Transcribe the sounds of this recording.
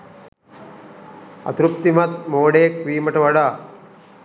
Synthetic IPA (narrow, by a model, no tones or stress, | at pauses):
ɐ̰t̪ɾup̚t̪imɐt̪̚moːɽeːkʋiːmɐʈɐʋɐɽaː